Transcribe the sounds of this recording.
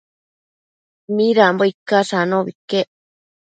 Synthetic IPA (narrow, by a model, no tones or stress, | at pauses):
miɾamboikːasanoβikeʔ